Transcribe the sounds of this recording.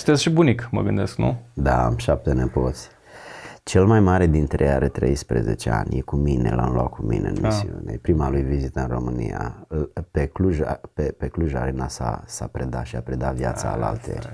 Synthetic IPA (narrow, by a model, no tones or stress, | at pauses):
t̪esʃibunikmə̰ɡɨnd̪esknṵd̪aamʃap̚t̪enepo̞t̪sʲ | t͡ʃe̞lmajmaɾed̪int̪ɾejaɾet̪ɾe̞̰jspɾezet͡ʃea̰nʲjekuminelʔamlwa̰kkʰːumineɨnmʔissiunepɾimalujvizit̪əɨnro̞mɨnḭjapekluʒapepekluʒa̰ɾenasa̰sapɾe̞d̪aʃiapɾed̪avjat̪saːla̰lt̪ḛrʲ